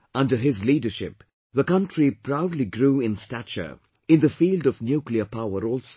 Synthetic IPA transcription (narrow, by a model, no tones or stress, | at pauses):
ʌ̃ndəɦɪzliːdəʃɪ̰p | ðəkʌ̃ntʰɹipʰɾaʊdˡliɡɾuːɪ̃nstæt͡ʃə̰ | ɪ̃nd̪əfiːldɔvnjuːkliəpʰaʊəɾɔlˠs